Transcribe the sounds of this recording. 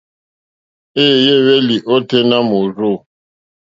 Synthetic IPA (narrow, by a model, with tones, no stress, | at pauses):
eː˦˨je˦we˦li˨ʔo˦te˦na˦mo˨ɾo˦˨